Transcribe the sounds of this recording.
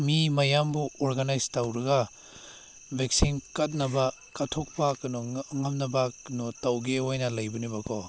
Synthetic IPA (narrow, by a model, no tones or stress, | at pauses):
mimɐjambuoɾɡanajstɐwɾɐɡɐ | bʱeksinkɐt̚nɐbɐ | kɐtʰok̚pakɐnɔŋɐmnɐbaknotɐwɡeojnɐlɐjbunibɐkʰɔ